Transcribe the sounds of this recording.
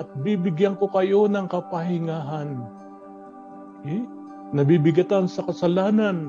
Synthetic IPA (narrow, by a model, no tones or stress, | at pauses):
ʔɐt̪̚bibɪɡjaŋko̞kɐjo̞nɐŋkɐpɐhɪŋaːɦan | ɛ | nɐbibɪɡɐt̪ansɐkɐsɐlaːnan